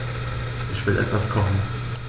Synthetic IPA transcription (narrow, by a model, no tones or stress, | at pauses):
ʔɪçv̥ɪlʔɛ̰tv̥askʰɔχn̩